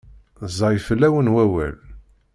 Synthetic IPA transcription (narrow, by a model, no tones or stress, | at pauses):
zˤɑjfəlːæwənwæwæ̰l